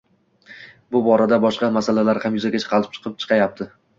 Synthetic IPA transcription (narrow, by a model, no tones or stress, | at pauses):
bʊbɒɾad̪abɒʃqɑmasalalaɾhamjʊzaɡʲat͡ʃʰɨ̥qʰɑlɪp̚t͡ʃʰɨ̥qʰɨp̚t͡ʃʰɨ̥qʰɑjap̚t̪ʰɪ